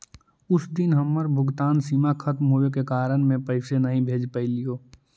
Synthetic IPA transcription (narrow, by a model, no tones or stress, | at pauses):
ʊsd̪ɪnɦɐmːəɾbʱʊɡt̪aːnsiːmaxʰɐt̪mɦoekekaːɾəɽ̃mẽpəɪsenɐɦĩbʱeːd͡ʒpəilijoː